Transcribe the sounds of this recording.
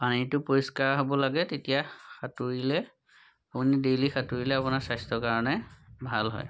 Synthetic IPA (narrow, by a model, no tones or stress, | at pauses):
panitʊpɔɹiskaɹɦobɔlaɡɛtetijaxatuɹilɛ | apunidelixatuɹilɛapunaɹsajstɔkaɹɔnɛbʱalɦɔ̰j